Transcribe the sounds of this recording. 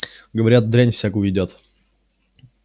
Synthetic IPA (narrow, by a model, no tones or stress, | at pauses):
ɡəvɐɾʲat̪̚d̪ɾʲanʲfsʲakujɪdʲot̪